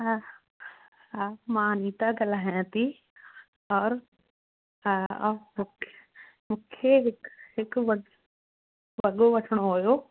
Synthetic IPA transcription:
mãːniːt̪aɡɐlaːɦjãt̪i | ɔːɾ | mũkʰ | mũːkʰeɦɪkɦɪkʋɐ | ʋɐɠoʋɐʈʰəɽ̃oɦojoː

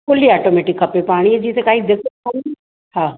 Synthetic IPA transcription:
kʊliaːʈoːmeːʈɪkʰːɐpepaːɽ̃iɦed͡ʑiːt̪ʰekaːɦid̪eːkʰon | hãː

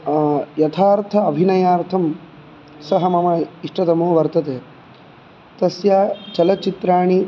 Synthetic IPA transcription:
jɐt̪ʰaːɾt̪ʰɐːbʱinɐjaːɾt̪ʰɐm | sɐɦɐmɐmɐiʂʈɐt̪ɐmoːʋɐɾt̪ɐt̪eː | t̪ɐsjaːt͡ʃɐlɐt͡ʃit̪ɾaːɳi

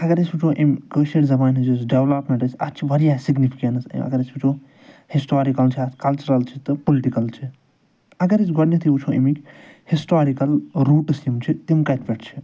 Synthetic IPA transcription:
ɐɡɐɾisbit͡ʃʰoːʔimkəːʃeʈzɐbaːnɦɨd͡ʒusɖeʋlaːpmẽɳʈɐsʲɐ̰tt͡ʃʰiʋɐɾijaːsiɡnifi̥kɐnsḭmʔɐ̰ɡɐɾisbit͡ʃʰoː | hisʈaːɾikɐlt͡ʃʰiɐkɐlt͡ʃɐɾɐlt͡ʃʰit̪ɨpoliʈikɐlt͡ʃʰi | ɐɡɐɾisɡɐɽnit̪ʰiut͡ʃʰoːʔḭmikʲhisʈaːɾikɐlɾuːʈɨsimt͡ʃʰit̪imkɐt̪pʲeʈt͡ʃʰi̥

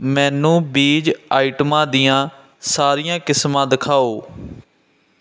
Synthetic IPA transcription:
mɛ̃ːnũːbiːd͡ʒaːiʈmãːd̪ɪjãː | saːɾiːjãːkɪsmãːd̪ɪkʰaːoː

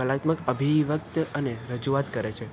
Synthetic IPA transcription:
əlat̪məkəbʱiʋək̚t̪əneɾəd͡ʒuʋat̪kəɾet͡ʃʰe

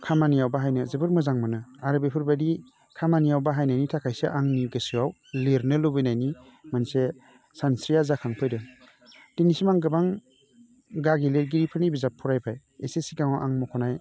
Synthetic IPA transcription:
kʰamanijawbaɦajnɯzɯbɯɾmɯzaŋmanɯaɾɯbepʰɯɾbadi | kʰamanijawbaɦajnajnitʰakʰajseʔaŋniɡɯsɯwaw | leɾnɯlobɯjnajni | manse | sansɾijazakʰaŋpʰɯjdɯ | d̥inisimaŋɡɯbaŋ | ɡaɡileɾɡiɾipʰɯnibizapʰːuɾajpʰaj | esesiɡaŋawʔaŋmɔkʰɔnaj

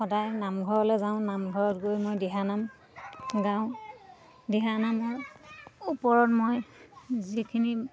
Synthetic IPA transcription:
xɔdajnamɡʱɔɹɔlɛzaʊ̃namɡʱɔɹɔtɡojmojdɛɦanam | ɡãʊ̃ | dɛɦanamɔɹ | upɔɹɔtmojzikʰini

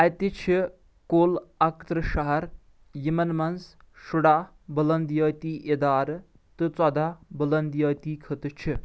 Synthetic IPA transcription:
ɐt̪it͡ʃʰi | koːlɐkt̪ɾɨʃɐɦɐɾ | jimɐnmɐns | ʃuɽa | bɐlɐnd̪jɐːt̪iːʔed̪aːɾ | t̪ɨt͡sɐd̪abɐlɐnd̪jɐːt̪iːkʰət̪ɨt͡ʃʰi

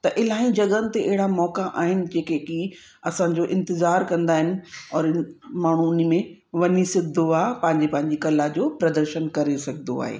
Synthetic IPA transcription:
t̪ɐʔɪl̤aːĩd͡ʑɐɠənɪ̆t̪eʔɐɦɪɽamɔːkaʔaːɦɪnɪ̆d͡ʑeːkeki | ɐsãd͡ʑoːʔɪ̃nt̪ɪzaːɾkɐ̃nd̪aːɦɪnɪ̆ɔːɾmaːɳ̤unimẽ | ʋɐɲisɪd̪ʱoaːpɐ̃ɦɪ̃ɲd͡ʑepɐ̃ɦɪ̃ɲd͡ʑikɐlad͡ʑoːpɾɐd̪əɾʃənkɐɾesɐɡʱnd̪o̰a̰ːɦḛː

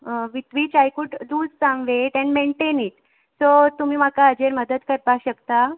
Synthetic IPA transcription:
ʋit̪ʋit͡ɕajkuɖduːd͡zsəmʋeʈɛ̃ɳɖmeɳʈeniʈ | sot̪um̤iːm̤akaəd͡ʑeɾməd̪ət̪kəɾpaɕəkt̪a

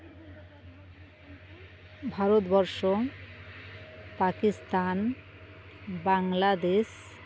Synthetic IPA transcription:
bʱaɾot̪bɔɾʃo | pakist̪an | baŋlad̪eʃ

